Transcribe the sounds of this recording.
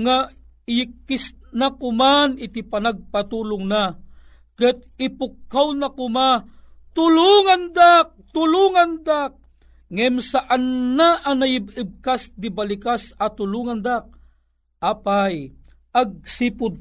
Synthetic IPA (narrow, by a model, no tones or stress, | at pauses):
ŋa | jikːisnakʊmanɪt̪ipanaɡ̚pat̪ulʊŋna | kət̪ɪpʊkːawnakʊma | t̪ʊluŋand̪ak̚t̪ʊluŋand̪ak̚ | ŋɛmsaʔanːaʔanajɪbɪb̚kasd̪ibalikasat̪ʊluŋand̪ak̚ | ʔaːpaj | ʔaɡ̚sipʊd̪̚